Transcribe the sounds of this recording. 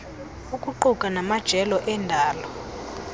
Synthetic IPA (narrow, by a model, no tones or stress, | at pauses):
ukʼuǃukʼanamad̥ʒ̥ʱɛlɔʔɛndʱaːlɔ